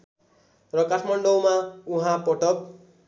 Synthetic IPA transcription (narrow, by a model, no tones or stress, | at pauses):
rʌkaʈʰmʌɳɖʌwmauɦãpʌʈʌp̚